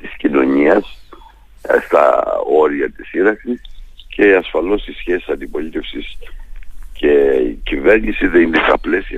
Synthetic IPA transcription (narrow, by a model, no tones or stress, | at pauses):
t̪iscino̞ɲiɐs | st̪ɐ̰o̞ɾiɐt̪isinɐksiscʰe̞ɐsfɐlo̞sisçe̞si̥sɐnd̪ipo̞lit̪efsis | ce̞icive̞ɾnisiðeninest̪ɐplesi